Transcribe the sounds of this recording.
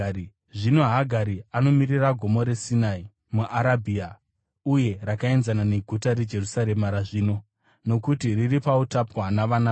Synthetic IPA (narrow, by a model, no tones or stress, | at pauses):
ʐino̞ɦaɡʱaɾiano̞miriraɡʱo̞mo̞ɾe̞sinai | muʔaɾabʱia | uje̞rakae̞nzanane̞ɡʱutaɾe̞d͡ʒe̞rusaɾe̞maɾaʐiːno̞ | no̞kutiriripautapwanaʋana